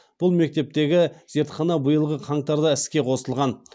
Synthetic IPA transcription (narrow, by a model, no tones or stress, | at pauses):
b̥ʊlˠme̞k̚t̪e̞p̚t̪e̞ɡʲɪz̥e̞ɾt̪χɑnɑbʊjəlˠʁəqʰɑɴt̪ɑɾd̪ɑɪskʲe̞qʰo̞səlˠʁɑn